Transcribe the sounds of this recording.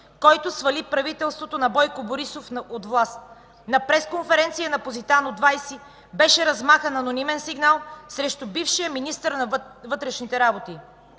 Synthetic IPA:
kɔjt̪ʊsvɐlipɾɐvit̪ɛlˠst̪vot̪onɐbɔjkoboɾisofnot̪vlˠast̪ | nɐpɾɛskonfɛɾɛnt̪sijənɐpozit̪anod̪vajsi | bɛʃɛɾɐzmaxənɐnonimɛnsiɡnalˠsɾɛʃt̪ʊbifʃijəminist̪əɾnɐvɤt̪ɾɛʃnit̪ɛɾabot̪i

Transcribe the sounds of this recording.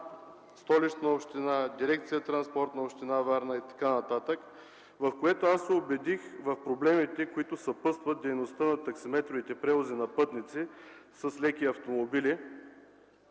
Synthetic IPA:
st̪ɔlit͡ʃ̪nəopʃt̪inad̪iɾɛk̚t̪sijət̪ɾɐnspɔɾt̪nəopʃt̪inavaɾnəit̪ɐ̥kanɐt̪at̪ək | vɐfkoɛt̪oasːɛobɛd̪ixvɐfpɾoblɛmit̪ɛkoit̪ʊsɐpɤst̪vɐt̪̚d̪ɛjnost̪ənɐt̪ɐksimɛt̪ɾovit̪ɛpɾɛvozinɐpɤt̪nit̪sisəslɛkiɐft̪omobili

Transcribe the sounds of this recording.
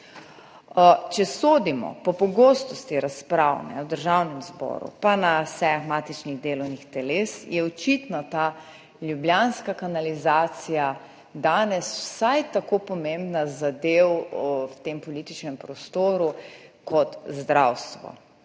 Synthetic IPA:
t͡ʃɛsoːd̪imɔ̰pɔpɔɡost̪ɔst̪iɾaspɾawnɛ̰wd̪əɾʒawnɛmzbɔ̰ːɾṵpanasɛaɣmaːt̪it͡ʃniɣd̪eːlɔwnixt̪ɛleːsjɛɔt͡ʃit̪nat̪a | lʲjubljanskakanalizaːt̪sija | d̪aːnɛswsajt̪akopɔmẽmbnazad̪ewwt̪empɔlit̪it͡ʃnɛmpɾɔst̪oːɾukɔt̪zd̪ɾawst̪ʋɔ̰

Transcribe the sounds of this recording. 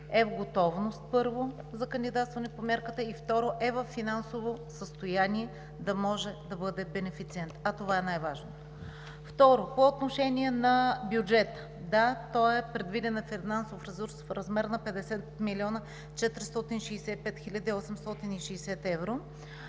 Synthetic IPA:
ɛvɡot̪ɔvnost̪̚pɤɾvo | zɐkɐnd̪id̪at̪st̪vɐnɛpomʲjaɾkət̪əift̪ɔɾoʔɛvəfːinansovosəst̪ojaniɛ | d̪ɐmɔʒɛd̪ɐbɤd̪ɛbɛnɛfit̪siɛnt̪ɐt̪ovaɛnajvaʒnot̪ | ft̪ɔɾopoːt̪noʃɛnʲiɛnɐbjud͡ʒɛt̪ə̥ | d̪at̪ɔjɛpɾɛd̪vid̪ɛnɐfinansofɾɛsuɾsfɾɐzmɛɾnɐpɛd̪ɛsɛt̪miliɔnə | t͡ʃɛt̪ɾist̪ɔt̪inʃɛjsɛpɛt̪xilʲad̪iːɔsɛmst̪ɔt̪iniʃɛjsɛt̪ɛvɾo

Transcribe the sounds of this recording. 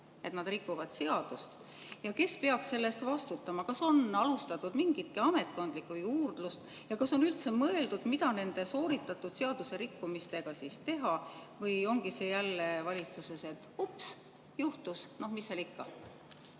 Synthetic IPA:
e̞t̪nɑd̪rikːˑuvɑd̪̥se̞ɑd̪̥ust̪ | jɑke̞spe̞ɑksse̞lːe̞st̪vɑst̪ut̪ːˑɑmɑkɑso̞nɑlust̪ɑt̪ːˑud̪miŋɡ̥it̪̚kiɑme̞t̪̚ko̞nd̪likːˑujuːrd̪̥lust̪ | jɑkɑso̞nylt̪se̞mɤe̞ld̪ud̪̥mid̪ɑne̞nd̪e̞so̞ːɾit̪ːˑɑt̪ːˑud̪̥se̞ɑd̪̥use̞ɾikːumist̪e̞ɡ̥ɑsiːst̪e̞ɦɑvɤjo̞ŋɡ̥ise̞jælːevɑlʲit̪suse̞se̞t̪ːˑups | juht̪usno̞hmisːelikːɑ

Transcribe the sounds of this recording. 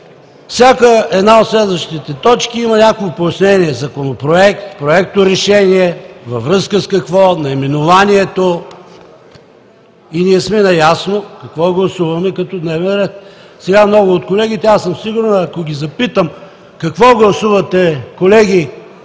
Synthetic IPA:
fsʲjakəɛd̪naot̪slɛd̪vəʃt̪it̪ɛt̪ɔt͡ʃkiimɐnʲakoɡʊpojɐsnɛniɛzɐkonopɾoɛk̚t̪pɾoɛk̚t̪oɾɛʃɛniɛvɐvɾɤskəskɐkvɔnɐɛmɛnovaniɛt̪o | iniɛsmɛnɐjasnokɐkvɔɡlˠɐsuvɐmɛkɐt̪ɔd̪nɛvɛnɾɛt̪̚sɛɡamnɔɡʊːt̪kolɛɡ̟ʲit̪ɛasəmsiɡʊɾnɐɐkoɡʲizɐpit̪əm | kɐkvɔɡlˠɐsuvɐt̪ɛkolɛɡ̟ʲi

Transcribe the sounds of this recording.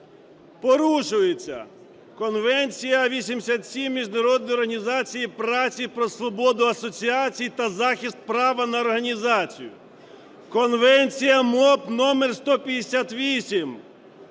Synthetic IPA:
pɔɾuʃʊjet͡sʲːɐ̰ | kɔnʋɛnʲt͡sʲijɐʋʲisʲimsʲat̪sʲimːʲiʒnɐɾɔd̪nɔjɔrɦɐnʲizɑt͡sʲijipɾɑt͡sʲijpɾɔsʋɔbɔd̪ʊɐsɔt͡sʲiɑt͡sʲijt̪ɐzɑxʲist̪̚pɾɑʋɐnɐɔrɦɐnʲizɑt͡sʲḭjʊ̰ | kɔnʋɛnʲt͡sʲijɐmɔpnɔmerst̪ɔpʲjɐd̪esʲat̪ʋʲisʲim

